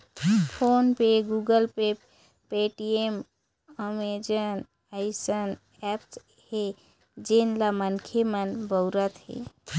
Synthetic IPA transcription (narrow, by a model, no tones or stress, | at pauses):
pʰonpeɡuɡəlpep | peʈiem | əmed͡ʒən | ajsən | ɛps | he | d͡ʒenlamənkʰemənbəwɾət̪ɦḛ